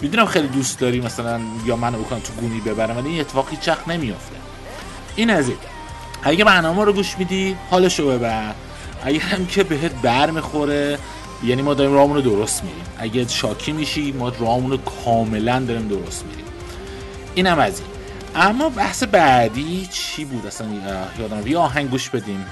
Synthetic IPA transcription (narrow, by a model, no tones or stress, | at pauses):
mid̪unæmxejlid̪ust̪d̪ɒːɾiːmæsælænjɒːmænobikʰonæmt̪ʰuɡuːniːbe̞bæɾæmvæliinet̪ʰːe̥fːɣ̥hiːt͡ʃʰʋæxne̞mijo̞ft̪ʰe̞ | ʔiːnæzin | æɟæbæɾnɒːmemɒːɾoɡuːʃmid̪ihɒːleʃobe̞bæɾd̪ | ʔæɟæɾæmcʰe̞beɦet̪̚ʰbæɾmixo̞ɾe | jæːniːmɒːd̪ɒːɾiːmɾɒːmunɾod̪oɾost̪mḭɾḭːmʔæɟeʃɒːcʰiːmiʃimɒːɾɒhɒmunokʰɒːme̞lænd̪ɒɾimd̪oɾost̪mḭɾḭm | ʔiːnæmæzḭn | ʔæmːɒːbæhse̞bæd̪it͡ʃʰiːbuːd̪æsænjɒːd̪æmjeɒːɦæŋɟɡuːʃbe̞d̪iːm